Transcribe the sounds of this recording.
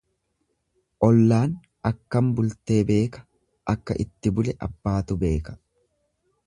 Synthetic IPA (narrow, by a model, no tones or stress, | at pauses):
ʔɔlːaːn | ɐkːɐmbʊlt̪e̞ːbe̞ːkɐ̥ | ʔɐkːɐʔɪt̪ːɪbʊlɛʔɐbːaːt̪ʊbe̞ːkɐ̥